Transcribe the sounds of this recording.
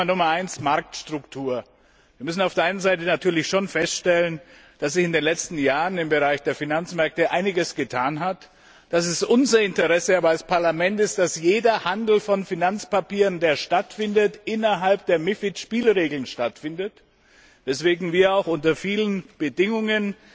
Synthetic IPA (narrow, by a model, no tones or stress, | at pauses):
nʊmɐʔaɪnsmaɐk̚tʃtʁ̥ʊktʰuːɐ | viːɐmʏsn̩aʊfd̥eɐʔaɪnənzaɪtənatʰyːɐlɪçʃonfɛstʃtɛlən | d̥as̬z̥ɪçɪndeːnlɛt͡stn̩jaːʁənɪmbəʁaɪçd̥eːɐfinant͡smɛɐk̚təʔa̰ɪnɪɡəsɡ̥ətʰaːnɦat | d̥asɪstʔʊnzɐɪntəʁɛsəaːbɐalspʰaɐlamɛntɪst̚d̥asjeːdɐhandl̩fɔnfinant͡spapiːʁəndeːɐʃtatfɪndətʔɪnɐɦalpd̥eːɐmɪfɪtʃpiːlʁeːɡl̩nʃtatfɪndət | vɛsv̥eːɡŋ̩viːɐaʊxʔʊntɐfiːlənb̥ədɪŋʊŋən